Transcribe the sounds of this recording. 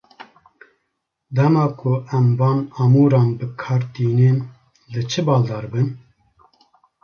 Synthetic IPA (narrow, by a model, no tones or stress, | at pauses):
d̪ɛmɑːkʰʊɛmvɑːnɑmuːɾɑːnbɨkʰɑːɾt̪iːneːn | lɨt͡ʃʰɨbɑːld̪ɑːɾbɨn